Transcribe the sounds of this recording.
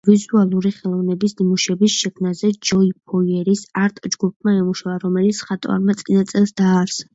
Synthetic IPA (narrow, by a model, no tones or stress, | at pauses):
vizualˠuɾiχɛlˠɔvnɛbisnimuʃɛbisʃɛkʰmnazɛd͡ʒɔip̚ʰɔiɛɾisaɾt̪ʼd͡ʒɡup̚ʰmaɛmuʃavaɾɔmɛlit̪sʰχat̪ʼva̰ɾmat̪sʼinat̪sʼɛlˠsd̪aːɾs